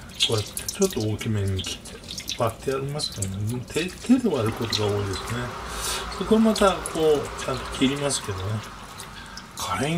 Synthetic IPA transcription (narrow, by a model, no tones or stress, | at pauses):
kojat̪ːe̥t͡ɕo̞t̪ːo̞okʲimẽɲːikʲʰi̥t̪eb̥at̪ːe̞aɾʲimasɨ̥kaonemot̪ʰet̪ʰed̪e̞βaɾɯ̟ko̞t̪o̞ɡao̞ːid̪e̞sɨne̞sokoɾamat̪akʰo̞ːt͡ɕãnt̪o̞kʲiɾʲimasɨ̥ke̞d̪o̞ne | kʰaɾẽ